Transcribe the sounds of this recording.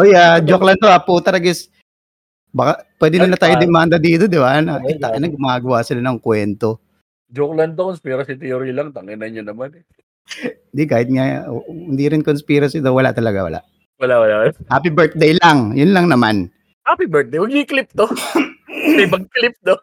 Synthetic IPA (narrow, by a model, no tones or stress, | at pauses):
ʔojaːd͡ʒoklɐnoaput̪ɐɾɐɡɪs | bakɐpwɛːd̪ɪnɐnɐt̪aːjod̪ɛmand̪ɐd̪iːt̪od̪ɪbanɐʔɪt̪ːakɪnɐɡʊmɐaːɡɐwasɪlanɐŋkwɛnt̪o̞ | d͡ʒoklɐnd̪̚t̪ːokonspiɾɐsit̪ɛoɾilɐŋt̪ɐŋɛnɐɲonɐmanɛ | hɪnd̪ikaːhɪt̪̚ŋahɪnd̪iɾɪnkonspiɾɐsid̪owɐla̰ʔt̪ɐlɐɡa̰wɐ̰lʔa̰ʔ | wɐlaʔwɐlaʔwɐlahaːpibɛɹt̪̚d̪ɛjlaŋjʊnlɐŋnɐma̰n | hapibɛɹt̪̚ejwɐɡ̚iklɪp̚t̪o | mɐjmɐɡ̚klɪp̚d̪o